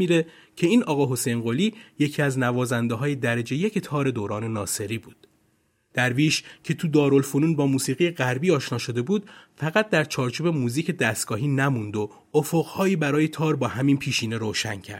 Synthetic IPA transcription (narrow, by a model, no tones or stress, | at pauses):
iːɾe | cʰe̞iːnʔɒːɣɒːɦo̞sejnɢoːliːje̞cʰiːæznævɒːzænd̪eɦɒːjed̪æɾed͡ʒe̞jecʰt̪ʰɒːɾe̞d̪oːɾɒːne̞nɒːse̞ɾiːbuːd̪̥ | d̪̥æɾviːʃcʰe̞t̪ʰud̪ɒːɾo̞lfonuːnbɒːmuːsiːɣijeɣæɾbiːɒːʃnɒːʃo̞d̪e̞buːd̪̚fæɣæt̪̚ʰd̪æɾt͡ʃʰɒːɾt͡ʃʰuːbe̞muːziːcʰe̞d̪æst̪ɡ̥ɒːɦiːnæmund̪o̞ | ofoɣhɒːjiːbæɾɒːje̞t̪ʰɒːɾbɒːhæminpʰiːʃiːneɾoːʃæncʰæ̰ɾd̪̥